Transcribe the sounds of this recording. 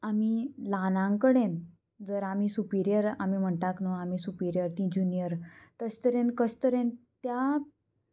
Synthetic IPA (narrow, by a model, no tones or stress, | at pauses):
amilanãŋkəɽẽn | d͡zəɾamisupiɾijəɾamim̤əɳt̪aknoamisupiɾjəɾt̪ĩd͡ʑunijəɾt̪əst̪əɾẽnkəst̪əɾẽnt̪ja